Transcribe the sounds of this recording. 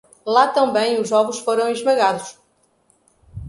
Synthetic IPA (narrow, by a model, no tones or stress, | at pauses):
lˠat̪ɐ̃m̃bẽj̃uʒɔɣuʃfoɾɐ̃w̃iʒmɐɣaðuʃ